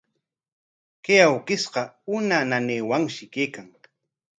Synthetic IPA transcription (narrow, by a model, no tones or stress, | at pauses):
kejawkɪsqɑʊnananeːwaŋʃɪkeːkaŋ